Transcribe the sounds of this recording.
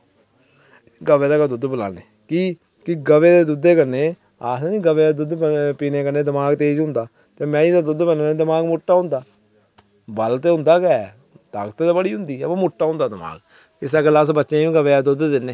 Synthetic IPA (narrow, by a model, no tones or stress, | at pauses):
ɡəʋeːd̪aːkad̪ʊd̪bəla̰ːneː | kiː | kɪɡəʋeːd̪eːd̪ʊd̪eːkəɾneː | aːseːnĩːɡəʋeːeːd̪ʊd̪piːneːkəɾneːd̪ɪmaːɡt̪eːd͡ʒʊ̃nd̪aː | t̪eːmɛ̃ːĩd̪aːd̪ʊd̪pənːneːd̪ɪmaːɡmʊʈːaːɦʊ̃nd̪aː | bəlt̪eːɦʊ̃nd̪aːkɛː | t̪a̰ːkt̪eːd̪aːbəɽiːʊ̃nd̪iːpːmʊʈːaːɦʊ̃nd̪aːd̪ɪma̰ːɡ | ɪsaklasbətːʃẽːĩːɡəʋeːaːd̪ʊd̪d̪ɪnːeː